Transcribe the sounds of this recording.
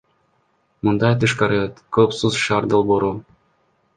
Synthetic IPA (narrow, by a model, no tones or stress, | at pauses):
mund̪ɑjt̪ɯʃkɑɾɯkøpsuzʃɑːɾd̪olˠboɾu